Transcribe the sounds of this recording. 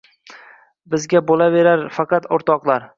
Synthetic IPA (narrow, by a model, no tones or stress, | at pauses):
bɪzɡʲabolave̞ɾaɾfɑqɑt̪oɾt̪ɒqlˠaɾ